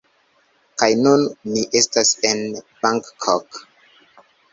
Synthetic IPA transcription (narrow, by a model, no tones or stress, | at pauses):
kajnunːiʔe̞stasenb̥aŋkːʰok